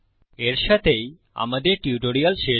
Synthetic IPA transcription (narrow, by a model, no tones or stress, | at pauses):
eɾʃat̪ʰej | a̰mad̪eɾʈiuʈoɾialʃe